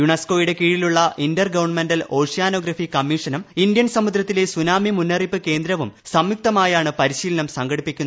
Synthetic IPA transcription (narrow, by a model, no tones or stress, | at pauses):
juɳesko̞ːjiɽe̞kiːɻiluɭːɐʔindɐrɡɐʋɐrɳmendɐlo̞ːʂijaːno̞ːɡɾɐfikɐmːiːʂɐnɐmindjɐnsɐmud̪ɾɐt̪ːile̞sunaːmimunːɐripːɨke̞ːnd̪ɾɐʋumsɐmjuk̚t̪ɐmaːjaːɳɨpɐɾiɕiːlɐnɐmsɐŋɡɐɽipːikʲːunɐ